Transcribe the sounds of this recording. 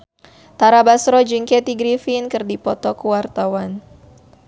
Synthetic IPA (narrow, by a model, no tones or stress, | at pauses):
t̪aɾabasɾɔd͡ʒiŋkɛt̪iɡɾifinkɨrdipɔt̪ɔkuwart̪awan